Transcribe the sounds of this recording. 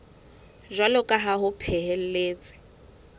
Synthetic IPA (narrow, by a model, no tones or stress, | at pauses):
ʒwalɔkʼaɦaɦʊpʰɛɦɛl̩leːt͡sʼɪ̥